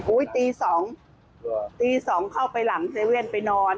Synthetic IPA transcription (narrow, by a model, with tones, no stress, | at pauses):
huː˨˦˥jt̪iː˧sɔː˩˦ŋ | t̪iː˧sɔː˩˦ŋkʰa˥˩wpa˧jla˩˦ŋt̪ʰeː˧wi˥˩ənpa˧jnɔː˧n